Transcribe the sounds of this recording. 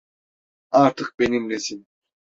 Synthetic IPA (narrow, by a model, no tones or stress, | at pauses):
aɾt̪ʰɯk̚be̞nimlʲɛsin